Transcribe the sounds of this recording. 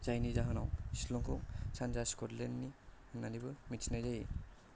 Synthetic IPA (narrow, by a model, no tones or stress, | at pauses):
z̥ajnizaɦɯnawi̥lɔŋkʰɔŋsanzaskɔtlenːihɯnːanibɯmitsnajzaji